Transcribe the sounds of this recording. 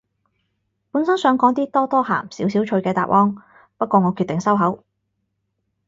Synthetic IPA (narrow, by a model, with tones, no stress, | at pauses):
puː˨˥nsɐ˥nsœː˨˧ŋkɔː˨˥ŋt̪iː˥t̪ɔː˥t̪ɔː˥ha̰ː˨˩msiː˨˥wsiː˨˥wt͡ʃʰɵ˧ɥkɛː˧t̪a̰ː˨p̚ʔɔː˥ŋ | pɐ˥t̚kʷɔː˧ŋɔː˨˧kʰyː˧t̪̚ɪ˨ŋsɐ˥wɦɐ˨˥w